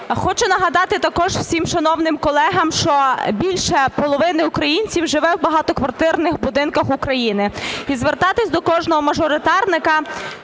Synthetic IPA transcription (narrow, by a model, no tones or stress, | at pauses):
xɔt͡ʃʊnɐɦɐd̪ɑt̪ɪt̪ɐkɔʒw̥sʲimʃɐnɔwnɪmkɔlˠɛɦɐmʃt͡ʃɔbʲilʲʃɛpɔlˠɔʋɪnɪʊkɾɐjinʲt͡sʲiwʒɪʋɛwbɐɦɑt̪ɔkʋɐrt̪ɪrnɪxbʊd̪ɪnkɐxukɾɐjinɪizʋert̪ɑt̪ɪsʲd̪ɔkɔʒnɔɦɔmɐʒɔɾɪt̪ɑrnɪkɐ